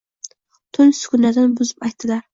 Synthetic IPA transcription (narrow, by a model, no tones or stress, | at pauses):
t̪ʰʊlsʊ̥kʲʰʊnad̪anbʊzɪpajt̪̚d̪̥ɪlaɾ